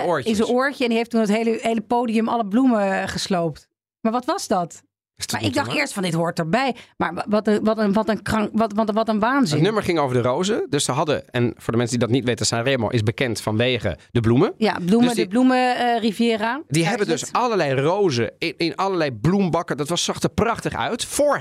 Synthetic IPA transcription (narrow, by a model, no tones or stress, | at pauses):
ɹɪsəoːɹcəɛndiɦejftunətɦejləɦejləpowdijəmɑləbluməχəslowpt | maːɹʋɑtʋɑzdɑt | maːɹɪɡ̚dɑχtɪːɹstfɑndɪtɦʊːɹtəɹbɛjmaːɹʋɑtəʋɑtənʋɑtənkrɑŋʋtʋɑʋɑtənʋaːnzɪnnøməɹχɪŋowvədərowzədøssəɦɑdə̰ɛnvʊːɹdəmɛnsədidɑtnitʋejtəsaremo̰ʔɪzbəkɛntfɑnʋejχə̰dəbluməja̰blumədəblumərivjɪːradiɦɛbəndøsɑləɹlɛjrowzə̰ɪɪnɑləɹlɛjblumbɑkədɑtʋɑssɑχtəɹprɑχtəχœ̰ɥtfʊːɹ